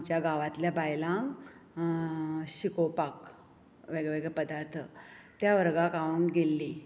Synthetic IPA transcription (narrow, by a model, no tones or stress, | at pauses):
t͡ɕjaɡaʋat̪ljabajlãŋ | ɕikopak | ʋeɡɭɛʋeɡɭɛpəd̪aɾt̪ʰət̪jaʋəɾɡakaʋuŋkɡelːi